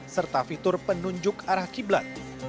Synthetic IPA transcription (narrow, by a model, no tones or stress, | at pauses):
sərt̪afit̪ʊrpənuɲd͡ʒʊkaɾahkibla̰t̪̚